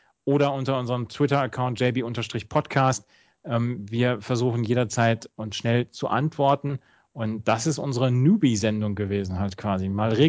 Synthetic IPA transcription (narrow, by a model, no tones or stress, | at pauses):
ʔoːɾɐʊntɐʊnzəʁəmtʰw̥ɪtɐəkʰaʊnt̚ʒ̥ɛɪbiʔʊntɐʃtʁ̥ɪçpʰɔtkʰaːst | ʔɛːmviːɐfɛɐzuːxn̩jeːɾɐt͡saɪtʊnsʃnɛlt͡suʔa̰ntv̥ɔɐtn̩ | ʔʊntd̥asɪstʔʊnzəʁənjuːbizɛndʊŋɡəveːzn̩haltkʰv̥aːzimaːlʁeː